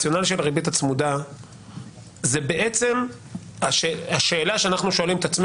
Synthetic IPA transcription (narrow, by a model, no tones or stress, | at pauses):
jo̞naliʃelaʁibit̪at͡smud̪a | zebe̞ʔet͡se̞m | aʃeaʃe̞ːlaʃeanaχnuʃo̞alimet̪at͡sm